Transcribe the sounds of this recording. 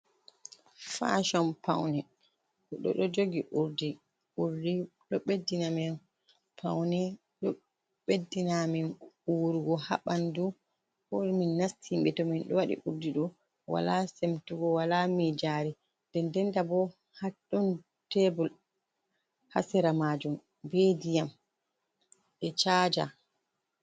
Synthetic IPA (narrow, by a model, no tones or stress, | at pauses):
fa̰ʃɔmpʰa̰wnɛ | ɗɔ̰ɗɔd͡ʒoɡiʔuɾdi | uɾdiɗɔɓedːinamin | pʰawnɛ | ɗɔ | ɓedːinaminuɾuɡɔha̰ɓandu | ɔɾminːastʰimɓɛtɔminɗɔ̰waɗḭʔuɾdiɗɔ | wa̰lasemtuɡɔwalamid͡ʒaɾi | dɛndɛndabɔ | haɗːɔn | tɛbul | ha̰sɛɾamad͡ʒum | bedijam | ɓɛt͡ʃaːd͡ʒa̰